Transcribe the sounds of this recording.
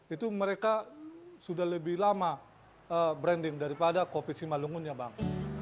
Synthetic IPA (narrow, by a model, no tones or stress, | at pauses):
it̪uməɾekasudahləbɪhlama | əbɾɛndɪŋdaɾipadakopisimaluŋʊnɲabaŋ